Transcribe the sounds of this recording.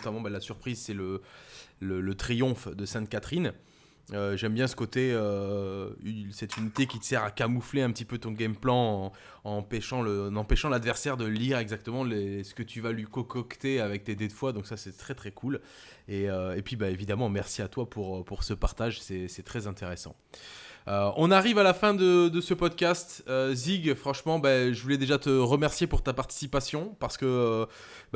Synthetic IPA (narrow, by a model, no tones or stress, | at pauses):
t̪amɑ̃balasyʁpχizsɛlə | lələt̪χijɔ̃fd̪əsɛ̃t̪̚kat̪χin | øʒɛmbjɛ̃sə̥kot̪eø | ysɛt̪ynit̪ekʲit̪ə̥sɛʁakamufleɛ̃pət̪ipøt̪ɔ̃ɡʲɛmplɑ̃ɑ̃ | ɑ̃ɑ̃pɛʃɑ̃ləɑ̃nɑ̃pɛʃɑ̃lad̪vɛʁsɛʁd̪əliʁɛɡzak̚t̪əmɑ̃lesə̥kət̪yvalɥikɔkɔkt̪eavɛk̚t̪ed̪ed̪əfwad̪ɔ̃ksasɛt̪χɛt̪χɛkʰul | eøepɥibaevid̪amɑ̃mɛʁsiat̪wapuʁøpuʁsəpaʁt̪aʒsɛsɛt̪χɛzɛ̃t̪eʁesɑ̰̃ | øɔ̃naʁivalafɛ̃d̪əd̪əsəpɔd̪kʲast̪øziɡfχɑ̃ʃmɑ̃baʒəvulɛd̪eʒat̪əʁəmɛʁsjepuʁt̪apaʁt̪i̥sipasjɔ̃paʁsə̥kəø | b